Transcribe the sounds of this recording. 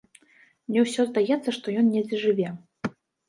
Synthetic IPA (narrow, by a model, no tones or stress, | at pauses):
mnʲɛwsʲɔzd̪ajɛt̪sːɐʂt̪ɔjɔnnʲɛd͡zʲɛʐɨvʲɛ